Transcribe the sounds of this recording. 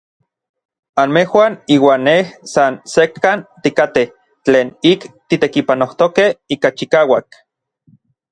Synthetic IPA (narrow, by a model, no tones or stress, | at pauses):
anmehwaːniːwaːnːehsansekʰːant̪ikat̪eh | t͡ɬeːnikt̪it̪ekipanoht̪okehiːkat͡ʃikaːwak